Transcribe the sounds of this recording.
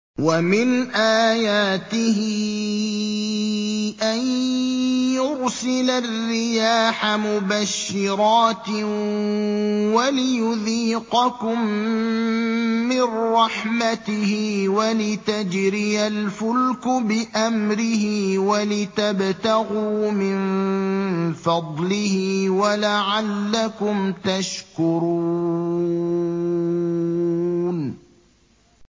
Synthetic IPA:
wamɪnʔaːjaːt̪ɪhɪ | ʔan | jʊɾsɪlarːɪjaːħamʊbaʃːɪɾɑːt̪ | walɪjʊðiːqɑkʊm | ɪnːɑħmat̪ɪhɪwalɪt̪ad͡ʒɾɪjalfʊlkʊbɪʔamɾɪhɪwalɪt̪abt̪aɣuːmɪn | fɑd̪ˤlɪhiwalaʕalːakʊmt̪aʃkʊɾuu | n

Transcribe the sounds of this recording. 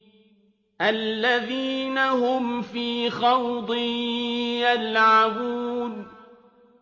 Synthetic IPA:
ʔalːaðiːnahʊmfiːxɑwd̪ˤɨ | jalʕabuːn

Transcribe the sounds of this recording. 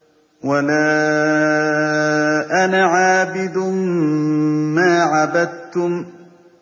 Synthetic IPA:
walaː | ʔanaʕaːbɪd̪ʊ | maːʕabad̪̚t̪ʊm

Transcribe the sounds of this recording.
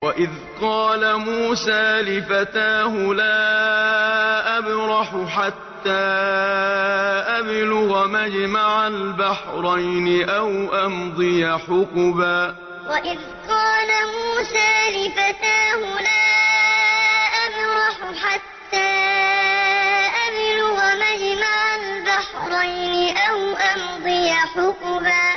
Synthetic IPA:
waʔɪð | qɑːlamuːsaːlɪfat̪aːɦʊlaː | ʔabɾɑħʊħat̪ːaː | ʔablʊɣamad͡ʒmaʕalbaħɾˤɑjnɪʔawʔand̪ˤɨjaħʊqbaː | waʔɪð | qɑːlamuːsaːlɪfat̪aːhʊlaː | ʔanɾɑħʊħat̪ːaː | ʔablʊɣamad͡ʒmaʕalbaħɾˤɑjnɪʔawʔand̪ˤɨjaħʊqbaː

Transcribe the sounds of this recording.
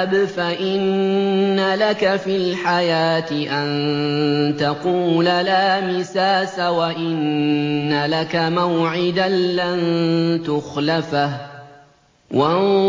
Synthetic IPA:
bfaʔɪnː | alakafiːlħajaːt̪ɪʔan | t̪aquːlalaːmɪsaːsawaʔɪnː | alakamawʕɪd̪anːant̪ʊxlafah | wa

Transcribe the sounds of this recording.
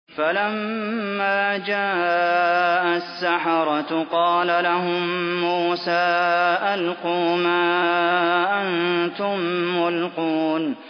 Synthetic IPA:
falamːaːd͡ʒaː | ʔasːaħɑɾˤɑt̪qɑːlalaɦʊmːuːsaːʔalquːmaː | ʔant̪ʊmːʊlquːn

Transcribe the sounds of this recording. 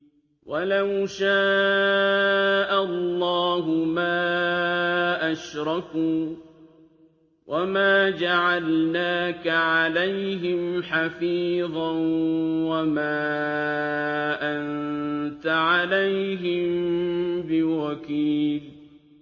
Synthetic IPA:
wʔalawʃaː | ʔalːɑːɦʊmaː | ʔaʃɾˤɑkuː | wʔamaːd͡ʒaʕalnaːkaʕalajɦɪmħafiːðˤɑnwamaː | ʔannt̪aʕalajɦɪmbɪwakiːl

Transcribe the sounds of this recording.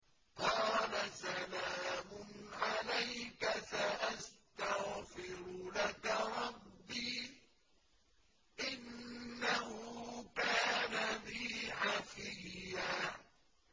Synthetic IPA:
qɑːlasalaːmʊnʕalajkasaʔast̪aɣfɪɾʊlakaɾˤɑbːiː | ʔɪnːaɦʊkaːnaniːʕafɪjːa

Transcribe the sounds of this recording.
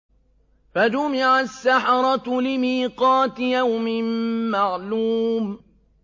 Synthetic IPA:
fad͡ʒʊmɪʕasːaħɑɾˤɑt̪lɪmiːqɑːt̪ɪjawmɪmːaʕluːm

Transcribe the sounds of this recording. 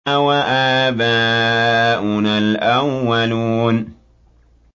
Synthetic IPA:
awaʔaːbaː | ʔʊnalʔawːaluːn

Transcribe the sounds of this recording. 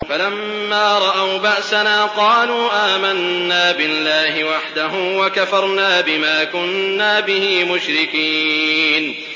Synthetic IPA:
falamː | aːɾˤɑʔawbaʔsanaːqɑːluːʔaːmanːaːbɪlːaːhɪwaħd̪aɦʊmwakafɑɾˤnaːbɪmaːkʊnːaːbɪhiːmʊʃɾɪkiːn

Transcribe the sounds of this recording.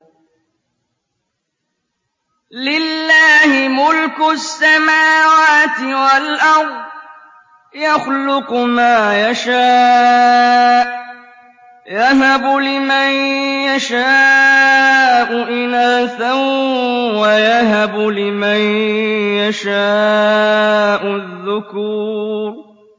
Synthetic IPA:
lɪlːaːhɪmʊlkʊsːamaːwaːt̪ɪwalʔɑɾˤdd̪ˤ | jaxlʊqmaːjaʃaː | jaɦabʊlɪmanjaʃaː | ʔʊʔɪnaːθawwajaɦabʊlɪmanjaʃaː | ʔʊðːʊkuːɾ

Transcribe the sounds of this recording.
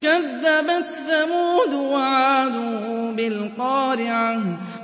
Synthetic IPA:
kaðːabat̪θamuːd̪waʕaːd̪uːbɪlqɑːɾɪʕah

